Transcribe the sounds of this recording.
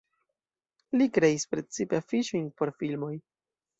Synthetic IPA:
likɾe̞ispɾe̞t͡sipeafiʃojnpo̞ɾfilmo̞j

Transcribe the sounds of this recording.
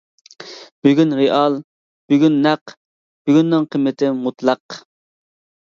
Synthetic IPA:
b̥yɡʲynɾeʔɑlˠ | b̥yɡʲynːæq | b̥yɡʲynːɪŋqʰəmːɪt̪ʰɪmut̪lˠɑq

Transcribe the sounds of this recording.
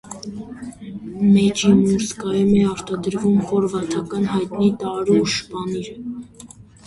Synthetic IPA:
mɛt͡ʃimuɾskɑjumɛɑɾt̪ɑd̪əɾvumχɔɾvɑt̪ʰɑkɑnɦɑjt̪nit̪ɑɾuʃbɑniɾə

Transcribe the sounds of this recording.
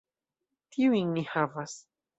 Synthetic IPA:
t̪iwiŋnihavas

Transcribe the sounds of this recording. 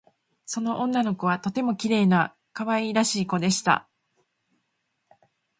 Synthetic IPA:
so̞no̞ʔõnːano̞ko̞βat̪o̞t̪e̞mo̞kʲiɾe̞ːna | kaβaiɾaɕiːko̞d̪e̞ɕi̥t̪a̰

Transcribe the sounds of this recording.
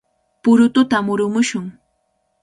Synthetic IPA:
pʊɾʊt̪ʊt̪amʊɾʊmʊʃʊŋ

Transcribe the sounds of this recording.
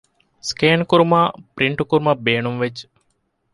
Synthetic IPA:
skeːnkuɾumaːpɾiɳʈukuɾumɐbeːnumʋet͡ʃː

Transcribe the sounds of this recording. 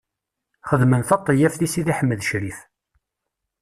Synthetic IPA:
χəðmənθɑt̪ˤːəjæfθisiðiħəmːəðʃɾif

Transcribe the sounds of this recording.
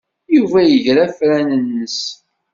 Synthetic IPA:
juvæjəʝɾæfɾænənːəs

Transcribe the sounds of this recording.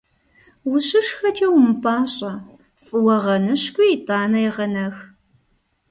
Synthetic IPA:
wʊɕɪʂxɐd͡ʒʼɐwmɨpʰaːɕʼɐ | fʼɨwɐʁɐnɨɕkʷʼʊjɪtʰʼaːnɐjʁɐnɐx

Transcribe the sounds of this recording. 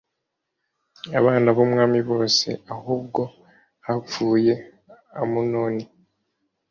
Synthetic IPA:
aβaːnaβomŋaːmiβo̞ːse̞̰ahuːbɡo̞ | hafuːje̞ | amunoːni

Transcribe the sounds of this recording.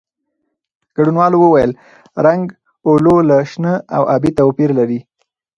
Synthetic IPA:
ɡ̥aɽunwɑlowəwajəl | ɾaŋɡ | ololaʃnəa̰wʔabit̪awpiɾlaɾi

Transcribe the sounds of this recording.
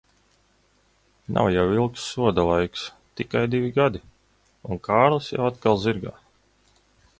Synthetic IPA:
nʔa̰wjawilˠksːuɔd̪alˠajks | t̪ikajd̪ivʲiɡad̪i | unkaːɾlˠɨsja̰wat̪kalˠziɾɡa̰ː

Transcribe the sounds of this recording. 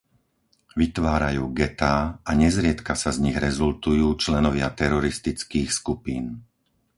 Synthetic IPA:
ʋit̪ʋaːɾajuːɡɛt̪aːaɲɛzɾɪɛt̪kasazɲiɣɾɛzult̪ujuːt͡ʃlɛnɔʋɪat̪ɛɾɔɾist̪it͡skiːxskupiːn

